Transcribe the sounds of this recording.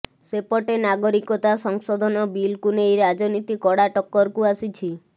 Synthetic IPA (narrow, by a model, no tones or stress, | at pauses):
sepɔʈenaɡɔɾikɔt̪asɔŋsɔd̪ʱɔnɔbilkunejɾad͡ʒɔnit̪ikɔɽaʈɔkːɔɾkuasit͡ʃʰi